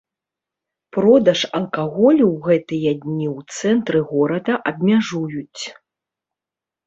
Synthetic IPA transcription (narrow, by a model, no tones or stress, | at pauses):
pɾɔd̪ɐʂɐlˠkaɣɔlʲuwɣɛt̪ɨjɐd̪ʲnʲiwt̪sɛnt̪ɾɨɣɔɾɐd̪ɐʔɐbmʲaʐujut͡sʲ